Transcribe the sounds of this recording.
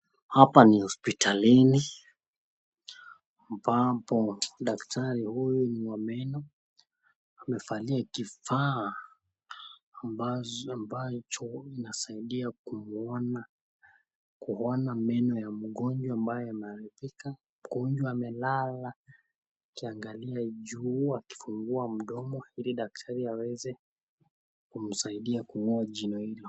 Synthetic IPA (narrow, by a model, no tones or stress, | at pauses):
hapanihɔspitʰalini | m̩papɔɗaktʰaɾihujuniwamɛnɔ | amɛfaliakifa | ambat͡ʃɔinasaiɗiakumɔna | kuhɔnamɛnɔjam̩ɠɔɲd͡ʒwaambajɔamɛalivika | m̩ɡɔnd͡ʒwaːmɛlala | kiaŋɡaliaʄuːaki̥fuŋɡuam̩ɗɔmɔiliɗak̚tʰaɾiawɛzɛ | kum̩saiɗiakumuaʄinɔhilɔ